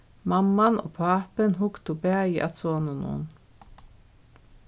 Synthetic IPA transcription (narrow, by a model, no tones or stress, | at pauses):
mamːano̰ːpʰaːpənɦʊkt̪ʊbɛːjɪʔa̰soːnɪnʊ̰n